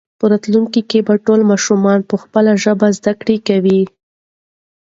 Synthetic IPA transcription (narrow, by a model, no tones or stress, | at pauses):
pəɾɑt̪luŋkikebaʈolmɑʃumɑnpəxpəlaʒəbazd̪akɽekawi